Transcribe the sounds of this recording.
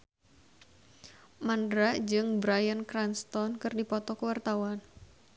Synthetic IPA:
mandɾad͡ʒɨŋbɾajənkɾanst̪ɔnkɨrdipɔt̪ɔkəwart̪awan

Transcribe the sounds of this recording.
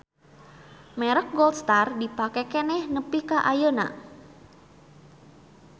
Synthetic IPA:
mɛɾək̚ɡɔlst̪ardipakɛkɛnɛhnəpikaʔajona̰

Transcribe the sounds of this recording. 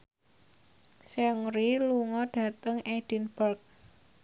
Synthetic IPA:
sɛŋɾiluŋɔɖ̥ä̤t̪əŋed̥inbərk̚

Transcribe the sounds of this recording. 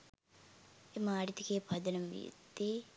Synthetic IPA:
emaːɾit̪ikeːpʰɐd̪ɐnɐmʋḭṵd̪ːeː

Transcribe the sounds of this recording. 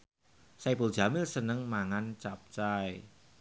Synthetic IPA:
sapuld̥ʒ̥a̤mɪlsənəŋmaŋant͡ʃap̚t͡ʃae

